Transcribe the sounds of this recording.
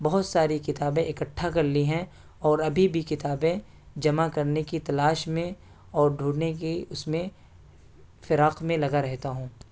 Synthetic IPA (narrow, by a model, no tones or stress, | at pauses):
bɐɦʊt̪saːɾikɪt̪aːbẽʔɪkɐʈʰːakɐɾliɦɛ̃ | ɔːɾɐbʱibʱikɪt̪aːbẽ | d͡ʒɐmakɐɾnekit̪ɐlaːʃmẽ | ɔːɾɖʱuːɽnekeʊsmẽ | fɪɾaːqmẽlɐɡaɾɛɦt̪aɦũː